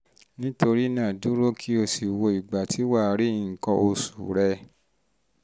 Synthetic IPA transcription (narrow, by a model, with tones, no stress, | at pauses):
nĩ˦to˧ɾi˦nã˦˨du˨˦ɾo˦kʰi˦o˧si˨wo˧i˨ɡ͡ba˨tʰi˨˦wa˦˨ɾi˦˨ŋ̩˨kɔ̃˧ʔo˧su˨ɾɛ˧